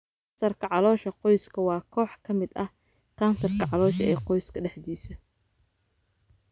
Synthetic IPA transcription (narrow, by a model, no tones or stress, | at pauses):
sɐrkʰɐʕɑlɔːʃɐqɔjskʰɐwɑːkʰɔːħkʰɐmɪd̪ɐh | kʰaːnsɐrkʰɐʕɑlɔːʃɐɛːqɔjskʰɐɖɛħd̪iːsɐ